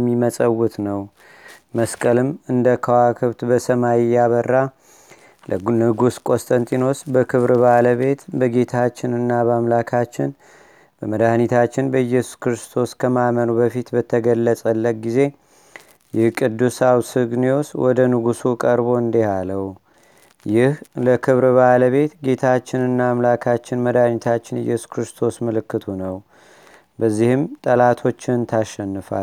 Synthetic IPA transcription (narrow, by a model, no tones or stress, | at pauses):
mːiməsʼəwːʊt̪nəw | məskʼəlɨmɨnd̪əkʰəwakʰɨβt̪bəsəmajɪjːaβərːa | lnɨɡuskʼo̞st̪ʼənt̪ʼino̞sbəkʰɨβɾbaləβe̞t̪bəɡe̞t̪ʰat͡ʃːɪnɨnːabəamlakʰat͡ʃːɪn | b̥əməd̪ahnit̪ʰat͡ʃːɪnbəjɛsu̥skɾɨst̪ʰo̞skʰəmamənubəfit̪bət̪ʰːəɡəlːəsʼəlːəɡize̞ | jɪhkʼɨd̪ːusawsɨɡnio̞swɔd̪ənɨɡusukʼəɾbo̞ɨnd̪ehaləw | jɪhləkʰɨβɾβaləβe̞t̪ɡe̞t̪ʰat͡ʃːɪnɨnːaːmlakʰat͡ʃːɪnməd̪ahnit̪ʰat͡ʃːɪnɨ̰jːɛsu̥skɾɨst̪ʰo̞smɨlɨkːɨt̪ʰunəw | bəzːihɨmt̪ʼəlat̪ʰo̞t͡ʃːɪnt̪ʰaʃːɛnːɨfa̰l